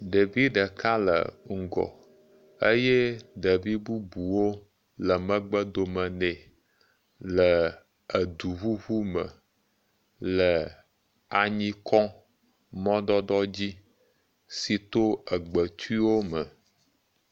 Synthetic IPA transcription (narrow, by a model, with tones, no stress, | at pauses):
ɖe˨vi˦ɖə˨ka˦lə̰˨ŋ̩˨ɡɔ̰˨ | ə˦jɛ˦ɖə˨vi˦bu˦bu˨wo˦ | lə˨mə̃˦ɡ͡bə˦d̪o˨mə̃˨nɛ̃˨ | lə˨ | ə˨d̪u˨βu˦βu˦mə˨ | lə˨ | a˨ɲĩ˦kʰɔ̃˦ | mɔ̃˦ɖ̪ɔ˦ɖɔ˦d͡ʑi˦ | si˨t̪o˦ə˨ɡ͡bə˨t̪u˦i˦wo˦mə˨